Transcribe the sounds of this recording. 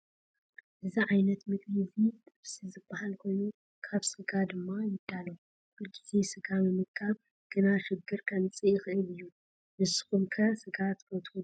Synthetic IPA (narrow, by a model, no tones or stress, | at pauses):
ʔɨziʕajnɐt̪mɨkʼnizit̪ʼɨβsizɨbːahalkʰo̞jnu | kʰaβsɨɡad̪ɨmːajɨd̪̥ːalo | ɨɡʼizisɨɡamɨmɨkʰːaβ | ɡ̥ɨnaʃɪɡːɨɾkʰɐnt͡sʼɨjɪxɨʔɨlɨjːu | mɨsɨ̥xumkʰɐsɨɡat̪kʰɐt̪ʰu